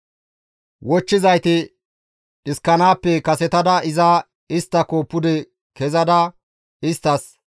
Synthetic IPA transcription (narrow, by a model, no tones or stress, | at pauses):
wɔt͡ʃːɪzɐjt̪ɪ | ɪskːɐnaːpːɛkɐsɛt̪ɐd̪ɐɪzɐ | ɪst̪ːɐkopːʊd̪ɛ | kɛzɐd̪ɐ | ɪst̪ːɐs